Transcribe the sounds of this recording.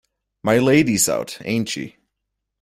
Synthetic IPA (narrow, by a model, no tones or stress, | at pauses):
maɪleɪɾiza̰ʊtḛ̃ɪ̃ntʃḭ